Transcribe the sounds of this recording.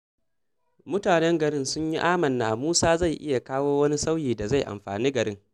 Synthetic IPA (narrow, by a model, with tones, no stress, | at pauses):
mʊ˦taː˨nɛ˦ŋɡɐ˨ɽɪ˦˨nsʊ˦ɲji˦ʔaː˦mɐ˨nːa̰ː˨muː˦saː˦za˦˨jʔɪ̰˦ja˨kaː˦woː˦wɐ˦ni˦sa˦wjiː˨da˨za˦˨jʔa̰˨mɸa̰ː˨niː˦ɡɐ˨ɽɪ˦ŋ